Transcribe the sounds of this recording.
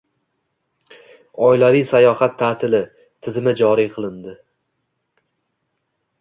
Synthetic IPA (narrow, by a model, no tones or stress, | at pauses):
ɒɪlavijsajɒhat̪ʰːat̪ʰɪlɪ | t̪ʰɪzɪmɪd͡ʒɒɾijqʰɨlˠɪnd̪ɪ